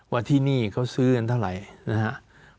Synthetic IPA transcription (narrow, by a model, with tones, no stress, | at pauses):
wa˧t̪ʰiː˥˩niː˥˩kʰa˦˥˩wsɯː˦˥a˧nt̪ʰa˥˩wɾa˨˩˦jna˦˥kʰa˦˥ʔ